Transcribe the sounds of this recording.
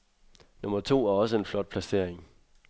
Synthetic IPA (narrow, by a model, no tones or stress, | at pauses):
no̽mɐt͡sʰo̝̰ːæɐɒ̽səe̝nflɒ̽d̥̚pʰlæse̝ɐ̰e̝ŋ